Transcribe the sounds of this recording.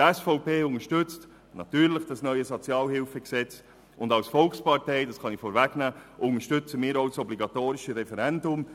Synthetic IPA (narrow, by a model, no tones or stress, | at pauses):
ɛsfɔʊpeːʊŋəʃtʏt͡st | nɑtyːɾləχd̥ɑsnœʏəzot͡sjɑːlhɪlfəksɛt͡s | ʊndɑwsfɔlkspɑrteɪdɑsχɑnifoːɾvæɡnæːʔʊŋəʃtʏt͡səmɪːɾoʊsɔbliɡɑt̪oːɾɪʃəɾɛfɛɾɛndʊm